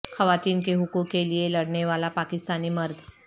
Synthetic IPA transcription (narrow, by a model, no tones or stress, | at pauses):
xɐʋaːt̪iːnkeɦʊkukːelielɐɽneʋaːlapaːkɪst̪aːnimɐɾd̪ʱ